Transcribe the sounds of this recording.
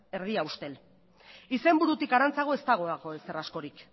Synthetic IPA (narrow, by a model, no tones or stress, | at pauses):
e̞ɾð̞iaust̪e̞l | ise̞mbuɾut̪ikaɾant͡saɣ̞o̞e̞st̪aɣ̞o̞aɣoese̞rasko̞ɾik